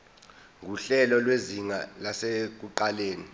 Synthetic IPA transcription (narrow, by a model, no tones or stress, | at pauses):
ŋʱuɬɛlɔlweziŋa̰lasek̬uǃaleːni